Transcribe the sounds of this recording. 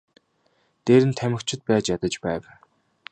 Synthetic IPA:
t̪eːɾɘ̆nt̪ʰæmɘ̆kt͡ɕʰɪ̆t̪̚pæːt͡ɕjat̪ə̆t͡ɕpæːw

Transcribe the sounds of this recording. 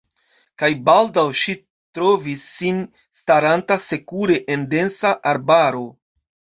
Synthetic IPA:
kajbaldawʃi | tɾo̞visːin | staɾantase̞kuɾe̞ʔende̞nsaʔaɾbaɾo̞

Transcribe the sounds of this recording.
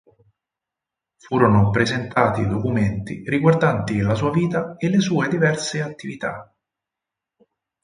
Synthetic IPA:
fuːɾonopɾezent̪aːt̪id̪okument̪ḭriɡward̪ant̪ilasuːaviːt̪aelːesuːed̪ivɛrseat̪ːivit̪a̰

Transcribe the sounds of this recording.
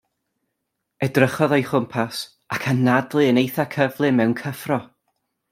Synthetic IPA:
ɛdrəχɔðajχʊmpʰas | akʰanːadlˠɨənejθakʰəvlˠɨmɛwnkʰəfrɔ

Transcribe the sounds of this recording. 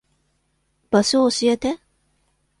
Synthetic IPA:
b̥ɐsoːsijɐt̪ɛ

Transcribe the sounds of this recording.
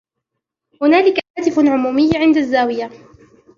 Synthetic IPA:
hʊnaːlɪkahaːt̪ɪfʕʊmuːmɪjːʕɪnd̪azːaːwɪja

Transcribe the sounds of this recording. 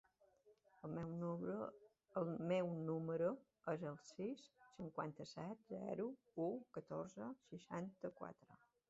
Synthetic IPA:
əlˠmɛwn | əlˠmɛwnuməɾu | əzəlˠsisːiŋkwa̰nt̪əsɛt̪̚zɛ̰ɾu | ukət̪oɾzəsəʃant̪əkwa̰t̪ɾə

